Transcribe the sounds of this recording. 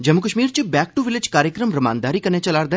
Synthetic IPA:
d͡ʒɐmːʊkəʃmiːɾt͡ʃebɛːk̚ʈuʋɪlɪd͡ʒkaːɾjəkɾəmɾɐma̰ːnd̪aːɾikɐnet͡ʃɐlaːɾd̪e

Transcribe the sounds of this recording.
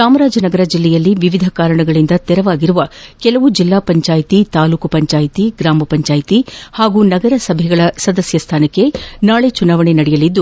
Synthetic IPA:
saːmɐɾaːd͡ʒɐnɐɡɐɾɐd͡ʒilːɛjɐlːiʋiʋid̪ʱɐkaːɾɐɳɐɡɐɭind̪ɐt̪ɛɾɐʋaːɡiɾuʋɐkɛlɐʋud͡ʒilːaːpɐɲt͡ʃaːjt̪it̪aːluːkɐpɐɲt͡ʃaːjit̪iɡɾaːmɐpɐɲt͡ʃaːjt̪ihaːɡuːnɐɡɐɾɐsɐbʱɛɡɐɭɐsɐd̪ɐsjɐst̪ʰaːnɐkːe̞naːɭet͡ʃunaːʋɐɳenɐɽɛjɐlid̪ːu

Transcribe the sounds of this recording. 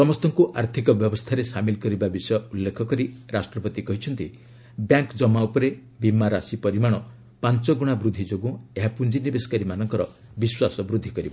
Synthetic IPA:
sɔmɔst̪ɔŋkuʔaɾt̪ʰikɔbjɔbɔst̪ʰaɾesamilkɔɾibabisɔjɔulːekʰɔkɔɾiɾasʈɾɔpɔt̪ikɔɦit͡ʃʰɔnt̪i | bjaŋkd͡ʒɔmaupɔɾe | bimːaɾasipɔɾimaɽ̃ɔ | pant͡ʃɔɡuɽ̃abɾud̪ʱːid͡ʒoɡũeɦapund͡ʒinibesɔ̥kaɾimanɔŋkɔɾɔ | biswasɔbɾud̪ʱːikɔɾibɔ

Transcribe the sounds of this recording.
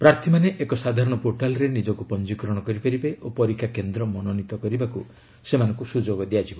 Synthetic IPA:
pɾaɾt̪ʰimaneʔekɔsad̪ʱaɾɔɽ̃ɔpoʈalɔɾenid͡ʒɔkupɔnd͡ʒikɾɔɽ̃ɔkɔɾipaɾibeʔopɔɾikʰːakend̪ɾɔmɔnɔnit̪ɔkɔɾibaku | semanɔ̃ŋkusud͡ʒoɡɔd̪ijad͡ʒibɔ

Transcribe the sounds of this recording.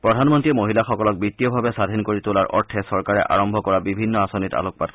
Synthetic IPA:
pɹɔdʱanmɔntiɛmoɦilaxɔkɔlɔk̚bitijɔbʱabɛsadʱinkoɹitʊlaɹʔɔ̰ɹtʰɛsɔɹkaɹɛʔa̰ɹɔmbʱɔkɔɹabibʱinːɔasonita̰lok̚pat

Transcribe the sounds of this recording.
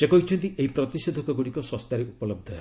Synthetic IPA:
sekɔɦit͡ʃʰɔnt̪iʔeipɾɔt̪ised̪ʱɔkɔɡuɽikɔsɔst̪aɾeupɔlɔb̚d̪ʱɔ

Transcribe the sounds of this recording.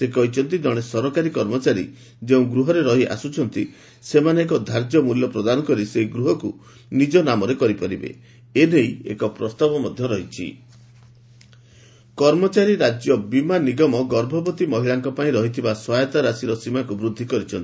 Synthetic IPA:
sekɔɦit͡ʃʰɔnt̪id͡ʒɔɽ̃esɔɾɔkaɾikɔɾmɔt͡ʃaɾḭ | d͡ʒeũɡɾuɦɔɾeɾɔɦiʔa̰sut͡ʃʰɔnt̪i | semaneːkɔd̪ʱaɾd͡ʒjɔmuljɔpɾɔd̪anɔkɔɾiseɦiɡɾuɦɔku | nid͡ʒɔnamɔɾekɔɾipɔɾibḛ | enejḛkɔpɾɔst̪abɔmɔd̪ʱjɔɾɔɦit͡ʃʰḭ | kɔɾmɔt͡ʃaɾiɾad͡ʒjɔbimaniɡɔmɔɡɔɾbʱɔbɔt̪imɔɦiɭaŋkɔpaĩɾɔɦit̪ʰibaswajɔt̪aɾasiɾɔsimakubɾud̪ʱːikɔɾit͡ʃʰɔnt̪i̥

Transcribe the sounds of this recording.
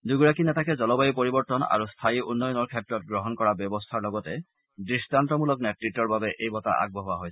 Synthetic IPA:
duɡuɹakinɛtakɛzɔlɔbajipoɹibɔɹtɔna̰ɹustʰaiʔunːɔjɔnɔɹkʰɛtɹɔt̚ɡɹɔɦɔnkɔɹabjɔbɔstʰaɹlɔɡɔtɛ | dɹistantɔmulɔknɛtɹitːɔɹbabɛʔejbɔta̰ʔa̰ɡ̚bɔɦʊaɦojsɛ

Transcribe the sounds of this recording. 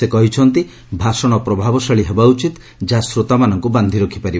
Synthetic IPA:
ekɔɦit͡ʃʰɔnt̪i | bʱasɔɽ̃ɔpɾɔbʱabɔsaɭiɦebaut͡ʃit̪ | d͡ʒasɾot̪amanɔŋkuband̪ʱiɾokʰipaɾi

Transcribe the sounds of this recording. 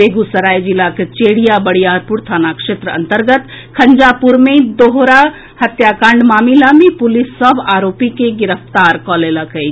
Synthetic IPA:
beɡusəɾajd͡ʒilaket͡ʃeɽijabəɽijaɾpuɾt̪ʰanakʂet̪ɾəə̰nt̪əɾɡət̪ | kʰənd͡ʒapuɾmed̪oɦɾa | hət̪jakãɳɖmamilamepulisːəbaɾopikeɡiɾəpt̪aɾkɔleləkəj

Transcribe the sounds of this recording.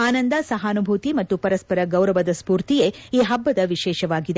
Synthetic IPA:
aːnɐnd̪ɐsɐɦɐːnubʱuːt̪imɐt̪ːupɐɾɐspɐɾɐɡɐwɾɐʋɐd̪ɐspuːɾt̪ijeiːɦɐbːɐd̪ɐʋiʃɛːʃɐʋaːɡid̪e

